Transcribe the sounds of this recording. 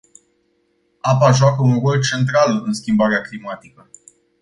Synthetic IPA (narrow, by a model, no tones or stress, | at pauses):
apaʒoakəunro̞lt͡ʃe̞nt̪ɾalɨnskʲimbaɾeaklimat̪ikə